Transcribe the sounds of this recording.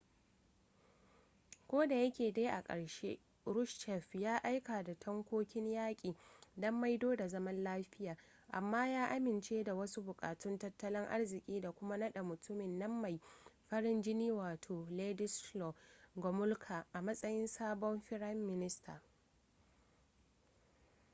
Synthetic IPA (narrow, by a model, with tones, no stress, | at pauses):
kʷoː˦da˨jɐ˦kʲeː˨deː˦ʔa˨kʼɐ̰˨ɽʃḛː˦ | ɾʊ˦ʃʃɛ˨ɸjaː˦ʔa˦jka˨da˨tʰɔ˦ŋkʷoː˦kʲɪ˦ɲjaː˦kʲʼiː˨dɐ˦mːa˦jdoː˦da˨zɐ˦mɐ˦nlaː˦ɸɪ˦jaː˨ | ʔa˨mːaː˦jaː˦ʔa˦mɪ˨nt͡ʃeː˦da˨wɐ˦su˦bʊ˨kʼa̰ː˨tʊ˦ntɐ˦tːɐ˦lɪ˦ŋʔa̰˦ɽzɪ˨kʲʼiː˦da˨kʷʊ˦ma˦nɐ˦ɗa˨mʊ˨tʰʊ˦mɪ˨nːɐ˦mːa˨jɸɐ˦ɽɪ˦nd͡ʒɪ˦niː˦waː˨tʰoː˨leː˦dɪ˦slɔ˨ɡɔ˨mʊ˦lkʰa˨ʔa˨mɐ˦sʼɐ˦jɪ˦nsaː˦bɔ˦mɸɪ˦ɽɐ˦mːɪ˦nɪ˦stʰa̰ː˨